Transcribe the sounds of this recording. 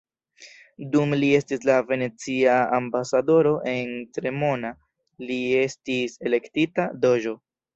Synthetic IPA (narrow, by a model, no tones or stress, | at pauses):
dumlie̞stislave̞ne̞t͡siaambasado̞ɾo̞ʔe̞ntɾe̞mo̞na | lie̞stise̞le̞ktitado̞d͡ʒo̞